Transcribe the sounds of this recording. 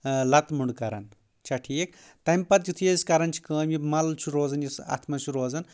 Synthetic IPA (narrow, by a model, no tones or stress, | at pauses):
lɐt̪muɳɖkɐɾɐn | t͡ʃʰɐʈʰik | t̪ɐmpɐt̪̚d͡ʒit̪ʰujeskɐɾɐnt͡ʃʰi̥kɐːmjimɐlt͡ʃʰuɾoːzɐnjesa̰t̪ʰmɐt͡ʃʰuɾoːzɐn